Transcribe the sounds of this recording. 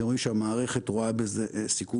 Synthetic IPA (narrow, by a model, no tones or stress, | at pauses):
ʁoimʃeamaːʁe̞χetʁoabezesiku